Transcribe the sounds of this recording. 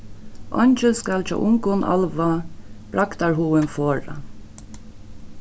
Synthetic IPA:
ʔɔ̰ɲt͡ʃɪskalt͡ʃɔ̰ʔʊŋkʊnʔa̰lʋab̥ɾakt̪aɹɦuːɪnfoːɹa̰

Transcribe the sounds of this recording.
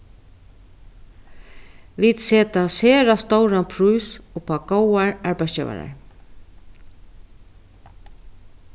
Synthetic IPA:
ʋid̪̥seːt̪aseːɾast̪owɹapʰɾujsʊpaɡowaɹaɹpajst͡ʃɛ̰ʋa̰ɾa̰ɹ

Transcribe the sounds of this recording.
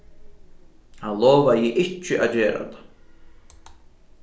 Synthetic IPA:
haðlɔːvajɪʔɪhcːʏʔa̰ðd͡ʑɛːɾa̰t̪ʰḁ

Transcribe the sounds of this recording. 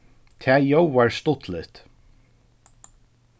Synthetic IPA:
t̪ʰæːjowæɹst̪ʊt̪lɪt̪

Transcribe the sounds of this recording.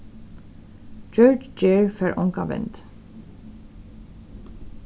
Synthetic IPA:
d͡ʒœɹd͡ʒd͡ʒeːɹføɹʔɔŋkɑ̰ʋɛ̰nt̪

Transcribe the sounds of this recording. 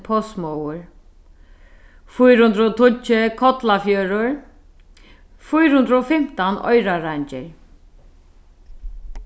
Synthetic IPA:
pʰɔsmɔwʊɹ | fʊjɾhʊnd̪ɾɔt̪ʰʊt͡ʃːɪkʰɔt̪lafjœːɾʊɹ | fʊjɾhʊnd̪ɾɔfɪm̥t̪anɔ̰jɾaɾaɲt͡ʃɪɹ

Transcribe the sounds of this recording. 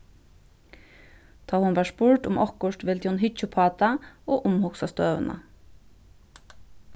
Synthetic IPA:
t̪ʰɑːhʊnʋæːspʊɹʈ̪ʊmʔɔhkʊʂt̪ʋɪlt̪ʰihʊnɦɪt͡ʃːʊpʰɑːt̪aɔːʔʊmhʊksast̪œːʋə̰na̰

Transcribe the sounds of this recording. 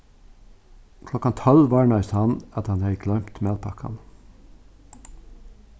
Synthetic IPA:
kʰlɔkɑnt̪ʰɔlʋɑːɳɑshɑnɑt̪hɑnhɑɪklœʏmt̪meːd̪pʰɑ̰kʰɑ̰n

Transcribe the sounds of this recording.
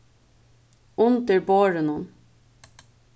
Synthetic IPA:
ʊnt̪əɹboːɹənʊn

